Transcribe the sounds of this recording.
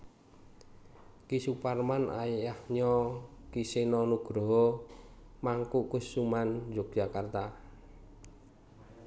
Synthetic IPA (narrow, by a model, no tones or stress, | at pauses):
kisuparmanʔa̰ejahɲɔkisenɔnuɡ̥ɾɔɦɔ | maŋkuʔkʊsːumand͡ʒɔk̚ʒ̥akart̪a